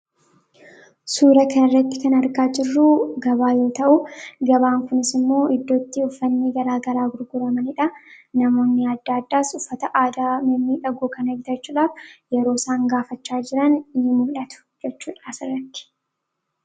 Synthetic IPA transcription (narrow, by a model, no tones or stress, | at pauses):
suːɾɐkɐnɪrːɐt̪ːɪ̥kɐnɐɾɡaːd͡ʒɪrːuɡɐbaːjo̞ːt̪ɐʔʊɡɐbaːŋkʊnɪsɪmːo̞ːɪd̪ːo̞ːt̪ːiʊfːɐnːiːɡɐɾaːɡɐɾaːɡʊɾɡʊɾɐmɐnɪᶑɐnɐmo̞ːnːɪɐd̪ːaːd̪ːaːsʊfːɐt̪ɐʔaːd̪aːmɐmːiːᶑɐɡuːkɐnɐɡɪt̪ɐt͡ʃːuːᶑaːfjɛɾo̞ːsaːŋɡaːfɐt͡ʃːaːd͡ʒɪɾɐnɪnːɪmʊllɐt̪ʊ̥d͡ʒɛt͡ʃːuːᶑaːsɪrːɐt̪ːɪ̥